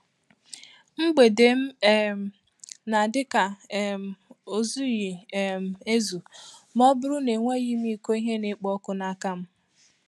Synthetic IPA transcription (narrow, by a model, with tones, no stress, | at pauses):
ŋ͡m̩˦ɡ͡be˨de˨m̩˦m̩˨ | na˨dɪ˦ka˨˦m̩˨o˨zu˦ji˨m̩˨e˦zu˨m˦ɔ˦bʊ˦ɾʊ˦ne˨ŋʷe˦ɣi˦m˦i˦ko˦i˦ɦe˦ne˦k͡pɔ˦kʊ˦na˨ka˦m̩˦